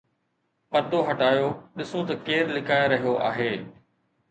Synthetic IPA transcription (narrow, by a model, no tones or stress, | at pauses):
pɐɾd̪oɦɐʈaːjoɗɪsot̪ɐkeːɾlɪkaːeɾɐɦijoʔa̰ːɦeː